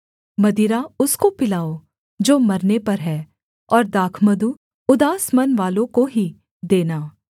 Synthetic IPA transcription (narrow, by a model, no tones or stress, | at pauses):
mɐd̪iɾaʊskopɪlaːo | d͡ʒoːmɐɾnepɐɾɦɛː | ɔːɾd̪aːkʰməd̪u | ʊd̪aːsmɐnʋaːlõkoɦi | d̪eːnaː